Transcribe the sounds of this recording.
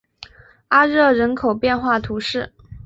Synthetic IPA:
a˥ɻɤ˥˩ɻə˧˥nkʰo˨˩ʊpjɛ˥˧nxwa˥˩t̪ʰu˧˥ʂɻ̩˥˩

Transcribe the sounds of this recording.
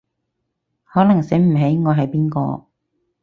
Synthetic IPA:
hɔː˨˥lɐ˨˩ŋse˨˥jm̩˨˩ɦe˨˥jŋɔː˨˧ɦɐ˨jpiː˥nkɔ̰ː˧

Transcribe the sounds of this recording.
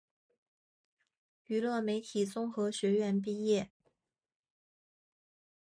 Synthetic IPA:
y˧˥lɤ˥˩me˧˥ɪt̪ʰi˨˩t͡sʊ˥ŋxɤ˧˥ɕɥɛ˧˥ɥɛ˧˥np̬i˥˧jɛ˥˩

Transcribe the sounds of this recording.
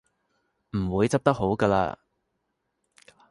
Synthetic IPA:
m̩˨˩wuː˨˧jt͡sɐ˥p̚t̪ɐ˥k̚ɦo˨˥wkɐː˧la̰ː˧

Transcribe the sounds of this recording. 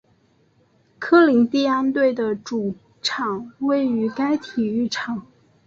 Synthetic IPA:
kʰɤ˥li˧˥ŋt̪i˥˧a˥nt̪we˥˩ɪd̪ə˩ʈ͡ʂu˨˩ | ʈ͡ʂʰɑ˨˩˦ŋwe˥˩ɪy˧˥ka˥ɪt̪ʰi˨˩y˥˩ʈ͡ʂʰɑ˨˩˦ŋ

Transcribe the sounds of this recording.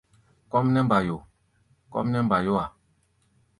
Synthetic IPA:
kɔ˦mnɛ˦mba˨jo˨ | kɔ̰˦mnɛ˦m˦ba˨jo˦a˨

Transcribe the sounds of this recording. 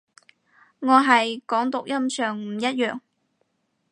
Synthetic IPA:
ŋɔː˨˧ɦɐ˨jkɔː˨˥ŋt̪ʊ˨k̚jɐ˥msœː˨ŋm̩˨˩jɐ˥t̚jœː˨ŋ

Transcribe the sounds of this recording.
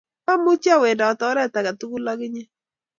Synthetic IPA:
a˦mʊ˦t͡ʃa˦˨we˨nda˨tɔ˨˦ɾɛ˦ta˨ka˨tu˦ku˦la˦kɪ˦ɲɛ˦

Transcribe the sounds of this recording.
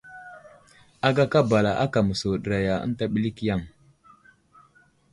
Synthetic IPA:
a˦ɡa˦ka˦ba˨la˨ʔa̰˦ka˨mə˨so˨ɗə˨ɾa˨ja˨ə̰˦n˦ta˦ɓi˦li˦kja˦˨ŋ

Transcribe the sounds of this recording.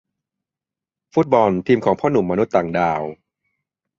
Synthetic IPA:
fu˦˥t̪̚bɔ˧˩nt̪ʰiː˧mkʰɔː˩˦ŋpʰɔː˥˩nu˨˩mːa˧nu˦˥t̪ːaː˨˩ŋdaː˧˩w

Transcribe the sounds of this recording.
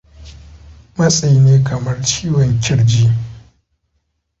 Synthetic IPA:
mɐ˦sʼa˨ji˨˦neː˦kʰɐ˨mɐ˦rt͡ʃiː˦wɔ˨ɲkʲɪ˦ɽd͡ʒiː˦

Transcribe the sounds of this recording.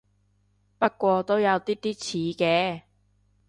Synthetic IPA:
pɐ˥t̚kːʷɔː˧t̪o˥wjɐ˨˧wt̪iː˥t̪iː˥t͡sʰiː˨˦kɛː˧

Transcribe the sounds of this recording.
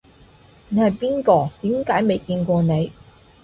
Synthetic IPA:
ne˨˧jhɐ˨˩jpiː˥nkɔː˧t̪iː˨˥mkaː˨˥jme˨jkiː˧nkʷɔː˧ne˨˧j

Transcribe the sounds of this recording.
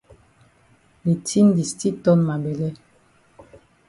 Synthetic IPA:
le˨tʰi˦ndi˨sti˦tɔ˦nma˨bɛ˨lɛ˦

